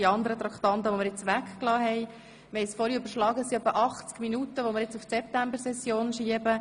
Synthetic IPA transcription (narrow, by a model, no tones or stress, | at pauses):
iɑnd̪əɾət̪ɾɑkχt̪ɑnt̪əʋomɪɾjɪt͡sʋækklɑːɦɛɪ | meɪsfɔɾiøbəɾʃlɑːɡəsiœpːəʔɑχt͡skminut̪əʋomɪɾjɪt͡suftsɛp̚t̪æmbəɾsɛsjoːnʃiəbə